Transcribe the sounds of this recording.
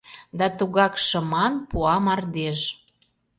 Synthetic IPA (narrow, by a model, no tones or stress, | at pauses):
d̪ɑt̪uɣɑkʃə̆mɑnpuɑmɑrd̪eʃ